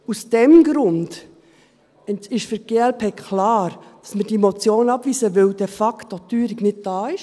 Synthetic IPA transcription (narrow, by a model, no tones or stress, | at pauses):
usd̥ɛmɡɾʊnd | ɛɪʃfʏɾɡ̥eːɛlpeːkʰlɑːɾd̥ɑsməd̥iemot͡sjoːnɑbviːsəʋɪld̥ɛfɑktotyːɾɪɡnɪd̚d̥ɑːɪʃ